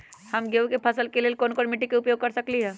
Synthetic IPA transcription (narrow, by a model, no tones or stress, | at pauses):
hɐmɡeukepʰɐsəlkeleːlkoːnkoːnmɪʈːikeʊpjoːɡ̚kɐɾsɐkliɦɛː